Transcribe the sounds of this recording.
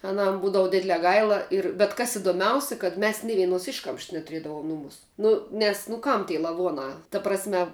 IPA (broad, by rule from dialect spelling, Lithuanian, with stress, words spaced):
ɐˈnɐm ˈbuːdɐʋʊ ˈdʲɪdʲlʲɛː ˈɡɐɪlˠɐ ɪr bʲɛt ˈkɐs ɪdoːˈmʲɛʊsʲɪ kɐt ˈmʲɛs nʲɪ ˈʋʲiɛnoːs ˈɪʃkɐmʃs nʲɛtʊˈrʲiɛdɐʋuɔm ˈnʊmuːs ˈnʊ nʲɛs nʊ ˈkɐm tʲiː lˠɐˈʋuɔnɑː tɐ prɐsʲˈmʲɛ